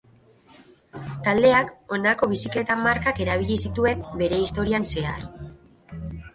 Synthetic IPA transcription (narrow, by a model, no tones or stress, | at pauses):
t̪ald̪e̞ako̞nako̞β̞isikle̞t̪amaɾkake̞ɾaβ̞iʎisit̪ue̞mbe̞ɾe̞ist̪o̞ɾianse̞a̰r